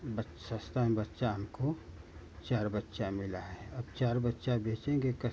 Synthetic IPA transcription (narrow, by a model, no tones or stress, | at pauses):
bə | sə̃st̪ʰamebətːʃaɦɐmko | t͡ʃaːɾbətːʃamɪlaɦɛːɐbt͡ʃaːɾbətːʃabʱeːt͡ʃẽːɡekɐ